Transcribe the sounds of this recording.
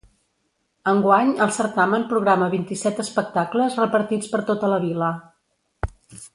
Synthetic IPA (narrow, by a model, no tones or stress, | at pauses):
əŋɡwaɲəlˠsəɾt̪amənpɾuɣ̞ɾaməβint̪isɛt̪əspək̚t̪akləzrəpəɾt̪it͡spəɾt̪ot̪ələβ̞ilə